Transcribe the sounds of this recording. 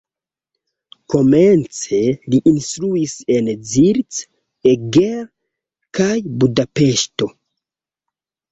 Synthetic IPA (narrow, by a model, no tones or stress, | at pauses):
ko̞ment͡se̞liʔinstɾuise̞nziɾt͡s | eɡeɾ | kajbudape̞ʃto̞